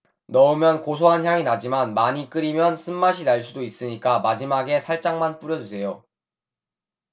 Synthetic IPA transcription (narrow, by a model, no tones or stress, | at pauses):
nʌumjʌnkos̬ʰoɦançjaŋinad͡ʑimanmaɲik͈ɯɾimjʌnsʰɯmːaɕʰinaɭs͈udois͈ɯɲik͈amad͡ʑimaɡe̞sʰaɭt͡ɕ͈aŋmanp͈uɾjʌd͡ʑusʰe̞jo